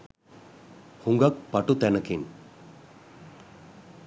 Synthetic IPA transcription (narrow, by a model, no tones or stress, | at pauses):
huŋɡɐk̚pɐʈut̪ɛnɐkin